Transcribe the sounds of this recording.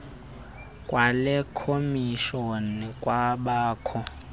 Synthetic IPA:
kʼwʔalɛkʰomiʃonikʼwaɓaːkʰɔ

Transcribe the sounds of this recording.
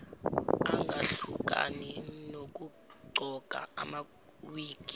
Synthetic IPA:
aŋɡʱaɬuk̬ʼa̰ninok̬u | ǃʱɔɡ̥ʱa̰ama | wiːki̥

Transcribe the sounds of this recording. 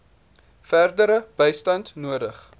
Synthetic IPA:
færdəɾəb̥əjstɐntnuədəχ

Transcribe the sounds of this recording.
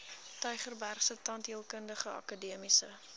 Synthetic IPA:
tœɥχərbærχsətɐntɦiəlˠkəndəχəɐ̰kədiəmisə

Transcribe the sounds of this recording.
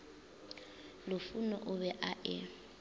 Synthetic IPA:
lʊfunɔʔʊbɛʔaʔɪ

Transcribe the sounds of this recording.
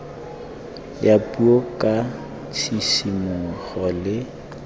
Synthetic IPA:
japʼuokʼa | t͡sʰisimʊχɔlɪ

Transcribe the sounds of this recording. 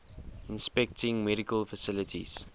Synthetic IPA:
ɪ̃nspɛk̚tɪ̃ŋmɛɾikəlfəsɪlətʰḭz̥

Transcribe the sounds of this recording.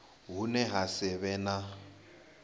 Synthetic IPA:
ɦunɛɦasɛβɛna

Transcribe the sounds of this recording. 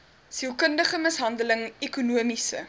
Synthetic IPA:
silˠkəndəχəməsɦɐndələŋɛkunuəmisə̰

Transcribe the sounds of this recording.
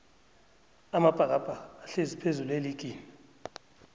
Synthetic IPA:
amab̥ʱak̬ʼab̥ʱʼaːɬezipʰezuleliɡ̥ʱʼiːni

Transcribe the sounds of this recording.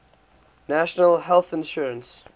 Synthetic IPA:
næʃənəlɦɛlˠθɪ̃nʃuɹə̃ns

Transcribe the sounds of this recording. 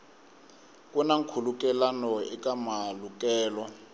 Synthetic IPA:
k̬ʼunaŋ̩kʰuluk̬ʼɛlanɔɛkʼamaluk̬ʼɛːlɔ

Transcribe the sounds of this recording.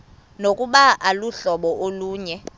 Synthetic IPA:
nokʼuɓaʔaluɬɔɓɔʔoluːɲɛ

